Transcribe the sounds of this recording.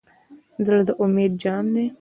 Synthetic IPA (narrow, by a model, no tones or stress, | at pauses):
zəlad̪əʔʊmeːd̪̚d͡ʒɑːmd̪e